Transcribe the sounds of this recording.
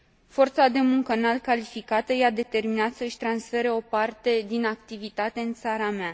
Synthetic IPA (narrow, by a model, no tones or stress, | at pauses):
fo̞rt̪sad̪e̞muŋkənalkalifikat̪əjad̪e̞t̪e̞rminat̪səɨʃʲt̪ɾansfe̞ɾeo̞part̪e̞d̪inakt̪ivit̪at̪e̞ɨnt̪saɾamea